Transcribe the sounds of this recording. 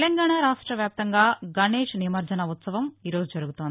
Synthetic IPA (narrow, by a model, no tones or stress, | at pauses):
lɐŋɡaːɳaːɾaːʂʈɾɐʋjaːp̚t̪ɐŋɡaːɡɐneːʂnimɐɾd͡ʒɐnɐut̪sɐʋɐmiːɾo̞ːd͡ʒud͡ʒɐɾuɡut̪ond̪i